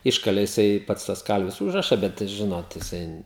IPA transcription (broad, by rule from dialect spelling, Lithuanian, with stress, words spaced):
ˈɪʃkɐlʲeː jɪˈsɐɪ ˈpɐts tɐs ˈkɐlʲʋʲɪs ˈuːʒrɐʃɐ ˈbʲɛt ˈʒʲɪnoːt jɪˈsɐɪ